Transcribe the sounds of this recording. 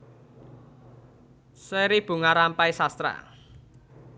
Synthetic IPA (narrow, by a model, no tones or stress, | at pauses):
seɾib̥ṳŋaɾampaisast̪ɾa̰